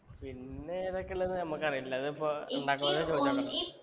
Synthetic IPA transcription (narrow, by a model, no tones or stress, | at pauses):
pinːeːðokːelːɐnɨnɐmːɐkːɨɐrijilːɐɐðɨipːouɳɖaːkumɐt͡ɕoːaːɳɐ